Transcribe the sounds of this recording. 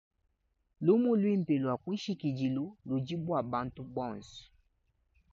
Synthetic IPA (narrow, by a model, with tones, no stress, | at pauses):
lu˦mu˦lwi˦m̩˨pe˨lwa˨kwi˦ʃi˦ki˨d͡ʒi˨lu˦lu˨d͡ʒi˦bwa˨ba˦n˦tu˦bɔ˦˨nsɔ̥˨